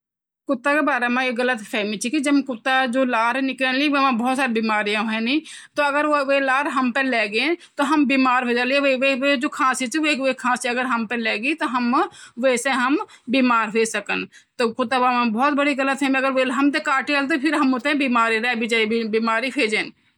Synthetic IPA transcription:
kʊt̪ːakebaːɾemãeɡələt̪pʰɛːmit͡ʃʰikid͡ʒəmkʊt̪ːad͡ʒoːlaːɾnɪklənliʋemãbɔːt̪saːɾibiːmaːɾijãɦɦɛ̃ːnit̪oɐɡəɾʋelaːɾɦəmpelɛːɡẽt̪oɦəmbiːmaːɾbʰʱeːd͡ʒaːliaʋeʋeʋed͡ʒoːkʰãːsit͡ʃiʋeekʰãːsiəɡəɾɦəmpelɛːɡit̪oɦəmʋeːseɦəm | biːmaːɾɦeːsəkənt̪okʊt̪ːaʋamãbɔːt̪̚bəɽiɣələt̪ɦɛ̃miəɡəɾʋeɦɐmt̪ekaːʈiəlt̪opʰɪɾɦəmot̪ẽbiːmaːɾiɾɛːbʱit͡ʃabiːmaːɾipʰeːd͡ʒeːn

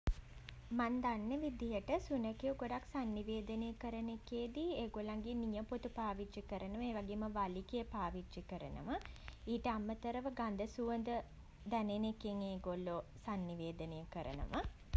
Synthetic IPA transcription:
mand̪anːəʋid̪ijəʈəsunəkejuɡoɖaksanːiʋeːd̪ənejəkəɾənekeːd̪ieːɡolaŋɡeːnijəpot̪upaːʋit͡ʃikəɾənəməeːʋaɡeːməʋalikejəpaːʋit͡ʃikəɾə̰nə̰məiːʈəamːət̪əɾəʋəɡand̪əsuʋənd̪ə | d̪anenekeŋeːɡolosanːiʋeːd̪ənejəkəɾə̰nə̰mə

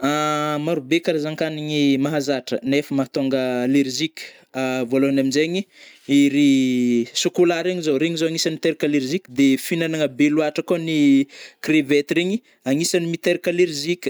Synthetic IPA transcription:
amaɾubekaɾazaŋkaniɲimaɦazaʈ͡ʂə̰nefəmaɦat̪oŋɡəleɾizikʲə̥ | avolonaminzeɲiiɾisukulaɾeɲizoɾeɲizoaŋisanit̪eɾikəleɾizikʲid̪efinanaŋəbeluaʈ͡ʂəkonikrevet̪iɾeɲi | aŋisanimit̪eɾikəleɾizikʲə̥

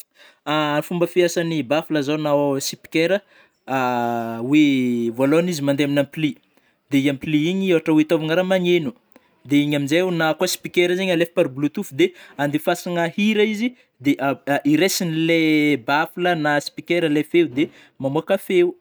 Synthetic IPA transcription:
aifumbəfiasanibafiləzanaasipi̥kʲeɾə | wevoalonizimand̪eaminampili | d̪eiampiliiɲiewaʈ͡ʂəwet̪oviŋaɾamaɲenu̥ | d̪eiɲaminzeunakosi̥pikʲeɾəzeɲalefi̥paɾbulut̪ufud̪eand̪ifasiŋəhiɾaizi | d̪eʔʔiɾesinilebafilənasi̥pikeɾəlefeud̪e | mamuakafeu

